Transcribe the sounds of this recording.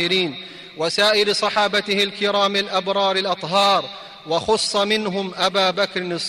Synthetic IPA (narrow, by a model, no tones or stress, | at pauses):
ɪɾiːn | wasaːʔɪɾsˤɑħɑːbat̪ɪhɪlkɪɾaːmɪlʔabɾˤɑːɾˤɪlʔɑt̪ˤɦɑːɾˤ | wɑxʊsˤːɑmɪnɦʊmʔabaːbakɾnɨsˤ